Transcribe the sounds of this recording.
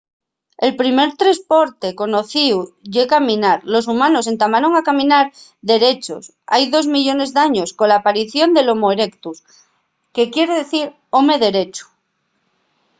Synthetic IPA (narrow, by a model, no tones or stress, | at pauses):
e̞lpɾime̞ɾt̪ɾespo̞ɾt̪e̞ko̞no̞θiwʝekamĩnaɾlo̞s̬umano̞se̞nt̪amaɾo̞ŋakamĩnaɾðe̞ɾe̞t͡ʃo̞̰s | a̰jðo̞zmiʎo̞ne̞zðaɲo̞sko̞laːpaɾiθjo̞nd̪e̞lo̞moeɾekt̪us | ke̞kje̞ɾeðeθiɾ | o̞me̞ðe̞ɾe̞t͡ʃu̥